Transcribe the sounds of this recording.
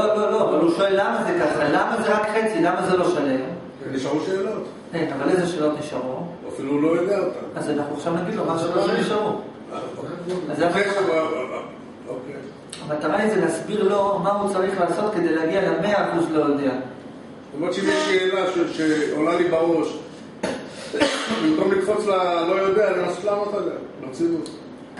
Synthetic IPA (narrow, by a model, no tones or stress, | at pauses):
lolo̞lo̞avaluʃo̞elːamazekaχʁelamazeʁakχe̞t͡silamazelo̞ʃale̞m | keniʃaʁuʃeːlo̞t̪ | enavalezeʃe̞ːlo̞t̪niʃaʁo | afiluloeɡaot̪aazanaχnuχaʃavnaɡid̪lomaʃeːloniʃaʁo | aoazae | oke | amalt̪aʁaizelasbiʁlo̞maut͡saʁiχlaːso̞t̪̚ke̞d̪ejleaɡialame̞aɡuslo̞jod̪ea | lomʁeʃeimeʃeːlaʃeʃeolalibaʁo̞ʃ | bimkomlikfot͡slalojod̪eanimaso̥t̪lamot̪aɡamamt͡sivut